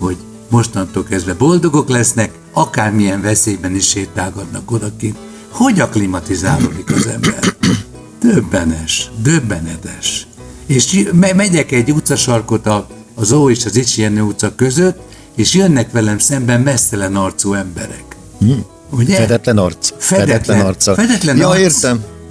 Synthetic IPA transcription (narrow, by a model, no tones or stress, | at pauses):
ho̞ɟ | mo̞ʃt̪ɒnt̪oːlkɛzd̪vɛbo̞ld̪o̞ɡo̞klɛsnɛk | ɒkaːrmijɛɱvɛseːjbɛniʃeːt̪aːɡɒd̪nɒko̞d̪ɒkeːnt̪ | ho̞ɟɒklimɒt̪izaːlo̰ːd̪ikɒzɛ̰mbɛ̰r | d̪̥øbːɛnɛʃd̪øbːɛnɛt̪ɛʃ | eːʃmɛmɛɟɛkɛɟːut̪sɒʃɒrko̞t̪ɒː | zoːeːʃɒzit͡ʃiɛnøːut̪sɒkøzøt̪ː | eːʃjønːɛkʋɛlɛmsɛmbɛmmɛst̪ɛlɛnɒrt̪soːɛmbɛɾɛk | uɟɛɛd̪ɛt̪lɛnɔrt̪sfɛd̪ɛt̪lɛɔrt̪sfɛd̪ɛt̪lɛnɒeːrsɛm